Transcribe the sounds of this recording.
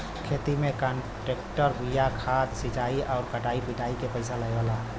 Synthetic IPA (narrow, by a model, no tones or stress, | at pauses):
kʰet̪imẽkəɳ | ʈekʈəɾbʱijakʰat̪sit͡ʃaiʔɔːɾkəʈaipiʈaikepəɪsaləʋala